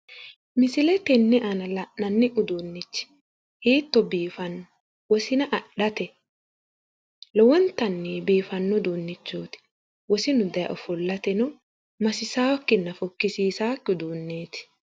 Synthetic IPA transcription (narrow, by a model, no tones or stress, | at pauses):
mɪsɪlɛt̪ɛnːɛʔɐnɐlɐʔnɐnːɛʔʊd̪onːɪt͡ʃːɪ̥ | hiːt̪ːɔbiːfɐnːɔ | wɔsɪnɐʔɐɗɐt̪ɛ | lɔwɔnt̪ɐnːɛbiːfɐnːɔd̪oːnːɪt͡ʃːoːt̪ɪ̥ | wɔsɪnʊd̪ɐjɐ̰ʔɔfɔlːɐt̪ɛnɔ | mɐsɪsaːwkːɪnːɐfɔkːɪsiːsaːkːɪʊd̪uːnːeːt̪ɪ̥